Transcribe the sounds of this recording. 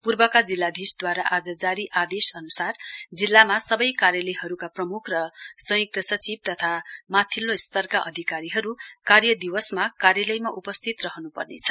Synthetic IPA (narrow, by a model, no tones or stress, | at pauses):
purbʌkad͡zilːad̪ʱisd̪waɾaʔad͡zʌd͡zaɾiʔad̪esʌnusard͡zilːamasʌbʌjkaɾjʌlʌɦʌɾukaprʌmukʰrʌsʌjuk̚t̪ʌsʌt͡sib̚t̪ʌt̪ʰamat̪ʰilːost̪ʌrkaʔʌ̰d̪ʱikaɾiɦʌɾukarjʌd̪iwʌsmakaɾjʌlʌjmaʔupʌst̪ʰit̪rʌɦʌnupʌrnḛt͡sʰʌ̥